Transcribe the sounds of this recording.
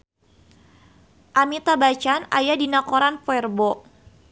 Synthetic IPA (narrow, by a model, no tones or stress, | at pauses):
ʔamit̪abat͡ʃana̰jadinakoɾanpoɛrbɔ